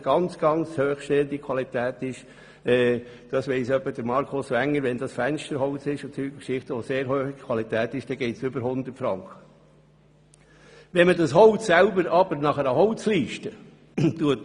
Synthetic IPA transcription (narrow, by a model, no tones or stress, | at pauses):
ɡ̥ɑnt͡sɡ̥ɑnt͡shøːχʃtɛldikʰwɑlit̪æːt̪ɪʃ | ɛː | d̥ɑsʋɛɪsœpːəd̥əɾmɑɾkʰosʋæŋːəɾʋɛnd̥̪ɑsfænʃtəɾɦɔʊt͡sɪʃʊsyːɡəkʃɪχtəʋoseːɾɦøːfiɡ̥kʰwɑlit̪æːt̪ɪʃd̥ɛɡɛɪtsʏbəɾhʊnd̪əɾtfɾɑŋkχə̥ | ʋɛnmədɑshɔwssælbəɾɑb̥əɾnɑχəɾəhɔwt͡sliːʃtə | tuət